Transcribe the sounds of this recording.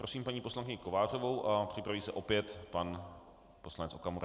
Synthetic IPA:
pɾo̞siːmpaɲiːpo̞slaŋkɪɲɪko̞vaːr̝ovowʔapr̥ɪpɾaviːsɛʔo̞pjɛt̪pan | po̞slanɛt͡so̞kamoɾa

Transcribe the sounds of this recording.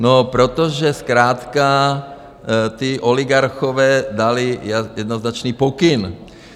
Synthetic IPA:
nopɾot̪ɔʒɛskɾaːt̪ka | t̪iʔɔliɡaɾxɔʋɛːd̪alijjɛd̪noznat͡ʃniːpɔkin

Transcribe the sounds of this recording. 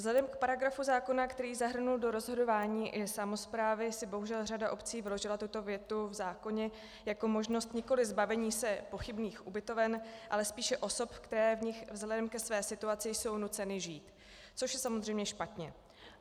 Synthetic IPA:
vzlɛdɛmkpaɾaɡɾafuzaːko̞nakt̪ɛɾiːzaɦr̩nuldo̞ɾo̞zɦo̞do̞vaːɲiːʔɪsamo̞spɾaːvɪsɪbo̞ɦuʒɛlr̝adaʔo̞pt͡siːvɪlo̞ʒɪlat̪ut̪o̞vjɛt̪uvzaːko̞ɲɛ | jako̞mo̞ʒno̞st̪ɲɪko̞lɪzbavɛɲiːsɛpo̞xɪbniːxʔubɪt̪o̞vɛnʔalɛspiːʃɛʔo̞so̞pkt̪ɛɾɛːvɲɪxvzlɛdɛmkɛsvɛːsɪt̪uat͡sɪjso̞wnut͡sɛnɪʒiːt̪ | t͡so̞ʃjɛsamozr̝ɛjmɲɛʃpat̪ɲɛ

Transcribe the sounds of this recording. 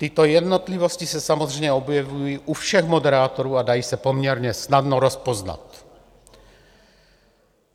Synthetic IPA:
t̪it̪ojɛd̪not̪livoscisɛsamozrɛjɲɛobjɛvujiʔufʃɛɣmodɛɾaːt̪oɾuːadajiːsɛpomɲɛɾɲɛsnadnoɾɔspozna̰t̪

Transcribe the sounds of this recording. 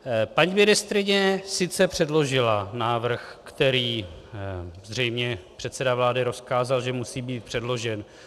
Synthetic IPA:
paɲiːmɪnɪst̪ɾɪɲɛsɪt̪t͡sɛpr̥ɛdlo̞ʒɪlanaːvr̩xkt̪ɛɾiː | zr̝ɛjmɲɛpr̝̥ɛt̪sɛdavlaːdɪɾo̞skaːzalʒɛmusiːbiːt̪̚pr̝̥ɛdlo̞ʒɛn

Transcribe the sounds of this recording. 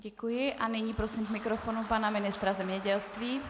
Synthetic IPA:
ɟɛkujɪʔanɪɲiːpɾo̞simɡmɪkɾofonupanamɪnɪst̪ɾazɛmɲɛɟɛlst̪viː

